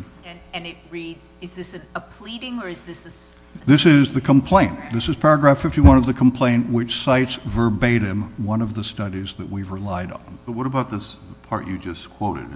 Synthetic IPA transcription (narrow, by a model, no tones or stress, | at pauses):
ɨ̃nɪt̚ɹidzɨzðɪsɨ̃nəpʰl̥iɾɪ̃ŋə˞ɨzðɪsɨ | ðɪsɪzðɨkʰə̃m̩pʰl̥ẽɪ̃nðɪsɨz̥pʰɛɹɨɡɹæfɪftiwʌ̃nʌvðɨkʰm̩pʰl̥ẽɪ̃nʔwɨt͡ʃsaɪtsvə˞beɪɾɨ̃mwʌ̃nʌvðɨstʌɾizðɨʔ̚wivɹɨlaɪɾn̩ʌt̚wʌɾəbaʊt̪̚ðɪspʰɑ̰ɹt͡ʃɨd͡ʒʌskʰw̥oʊɾɨ̰d̥